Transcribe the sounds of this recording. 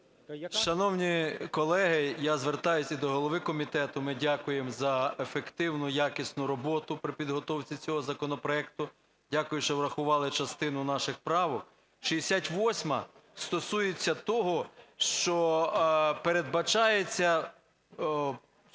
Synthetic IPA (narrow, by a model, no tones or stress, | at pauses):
ʃɐnɔwnʲikɔlˠɛɦɪjazʋert̪ɑjʊsʲid̪ɔɦɔlˠɔʋɪkɔmʲit̪ɛt̪ʊmɪdʲakʊjemzɐefekt̪ɪwnʊjakisʲnʊɾɔbɔt̪ʊpɾɪpʲid̪ɦɔt̪ɔwt͡sʲit͡sʲɔɦɔzɐkɔnɔpɾɔɛk̚t̪ʊ | dʲakʊjʊʃt͡ʃɔʋɾɐxʊʋɑlˠɪt͡ʃɐst̪ɪnʊnɑʃɪxpɾɑʋɔk | ʃiesʲatʲʋɔsʲmɐst̪ɔsujet͡sʲːɐt̪ɔɦɔʃt͡ʃɔ | peɾe̞d̪̚bɐt͡ʃɑjet͡sʲːɐ